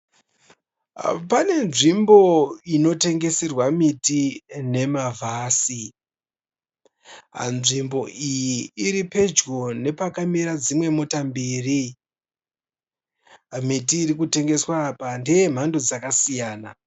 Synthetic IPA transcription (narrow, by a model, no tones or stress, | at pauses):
pane̞nʐimbo̞ino̞te̞ŋɡe̞serwamitine̞mavʱaːsi | a̰nʐimbo̞ʔijiːɾipe̞d͡ʒɡo̞ne̞pakamiɾad͡zimwe̞mo̞tambiːri | mitiːɾikute̞ŋɡe̞swapandejem̤ando̞d͡zakasijaːna